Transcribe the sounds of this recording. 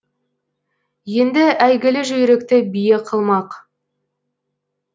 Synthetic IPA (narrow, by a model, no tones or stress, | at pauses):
je̞nd̪ɪʔæjɡʲɪlɪʒɵjɾe̞kt̪ɪbijeqʰəlˠmɑq